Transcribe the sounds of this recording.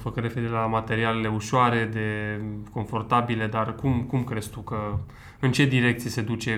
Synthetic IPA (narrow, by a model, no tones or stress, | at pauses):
fəkəɾe̞feiɾelamat̪e̞ɾiale̞le̞uʃoaɾe̞d̪e̞ko̞ɱfo̞rt̪abile̞d̪arkumkumkɾe̞st̪ukə | ɨnt͡ʃe̞d̪iɾe̞k̚t̪sijese̞d̪ut͡ʃe̞